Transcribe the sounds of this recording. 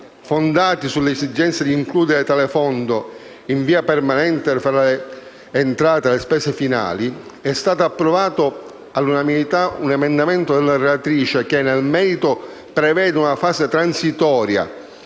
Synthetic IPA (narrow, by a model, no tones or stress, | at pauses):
fond̪aːt̪isulːeesid͡ʒɛnt̪sed̪iːŋkluːd̪eɾet̪alefɔnd̪o | iɱviːapermanɛnt̪efɾaleː | nt̪ɾaːt̪ealespɛːsefina̰ːliɛst̪aːt̪oapːɾovaːt̪o | alunamilit̪aunɛmend̪amɛnt̪od̪ɛlːaɾelat̪ɾiːt͡ʃek̟enːelmɛːɾit̪o | pɾevɛːd̪eunafaːset̪ɾansit̪ɔːɾja̰